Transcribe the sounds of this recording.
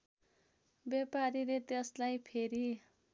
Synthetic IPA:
bepaɾilet̪eslajpʰeɾi

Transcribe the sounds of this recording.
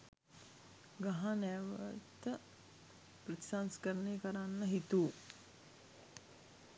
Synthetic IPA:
ɡaɦanɛːʋə̰t̪ə | prɐt̪i̥sanskəɾənekəɾanːəɦit̪uː

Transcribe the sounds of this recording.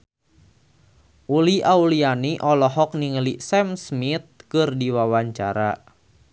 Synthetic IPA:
ʔuliʔaulianiʔɔlɔɦɔk̚niŋəlisɛmsmit̪̚kɨrdiwawaɲt͡ʃa̰ɾa

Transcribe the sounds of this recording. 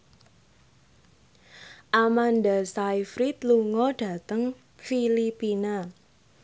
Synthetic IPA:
ʔamandasajfɾit̪luŋɔɖ̥a̤t̪əŋ | filipina

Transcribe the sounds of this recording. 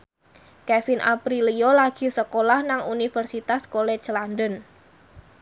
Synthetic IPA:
kɛfinʔa̰pɾilijolaɡ̥i̤səkolahnaŋunifərsit̪askoled͡ʒlandən

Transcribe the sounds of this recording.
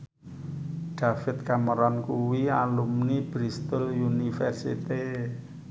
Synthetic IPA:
ɖ̥a̤fɪt̪̚kaməɾɔnkuwialumnib̥ɾist̪ʊlunifɛrsḭt̪e

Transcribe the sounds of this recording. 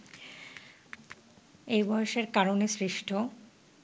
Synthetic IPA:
ejbɔeʃeɾkaɾonesɾiʃʈʰo

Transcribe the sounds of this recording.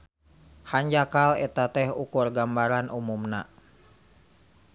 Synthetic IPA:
haɲd͡ʒakalɛt̪at̪ɛhukurɡambaɾanumumna

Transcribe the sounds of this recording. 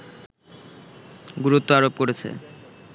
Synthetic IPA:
ɡuɾut̪ːoaɾop̚koɾet͡ɕʰḛ

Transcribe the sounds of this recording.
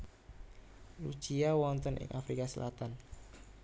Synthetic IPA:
lu̥t͡ʃiawɔnt̪ənʔɪ̰ŋʔafɾikasəlʔa̰t̪an

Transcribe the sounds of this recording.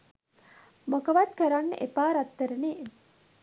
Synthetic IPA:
mokəʋat̪̚kəɾanːə̰ʔepaːɾat̪ːəɾəneː

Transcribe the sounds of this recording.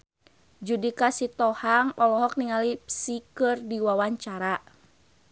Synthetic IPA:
d͡ʒudikasit̪ɔhaŋɔlɔɦɔk̚niŋalipsikɨrdiwawaɲt͡ʃaɾa

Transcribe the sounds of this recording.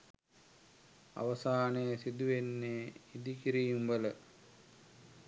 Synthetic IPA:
a̰ʋɐsaːnejəsid̪uʋenːeid̪ikiɾijumbələ

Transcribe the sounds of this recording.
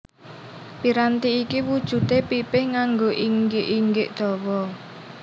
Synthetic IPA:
piɾant̪iːkiwud̥ʒ̥ṳt̪epipɪhŋaŋɡoʔiŋɡɪʔiŋɡɪʔd̪̥ɔ̤wɔ

